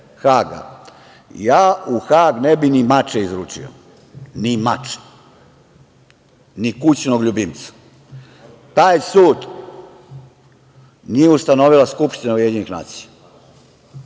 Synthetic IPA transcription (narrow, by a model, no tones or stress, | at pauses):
xaːɡa̰ | jaːuxaːɡnebinimat͡ʃeizɾuːt͡ʃḭo̰ | nimat͡ʃe̥ | nikut͡ɕnoɡʎubimt̪sḁ | t̪aːjsuːd̪ | nijeust̪anoʋilaskupʃt̪inaujeɲinixna̰ːt̪sija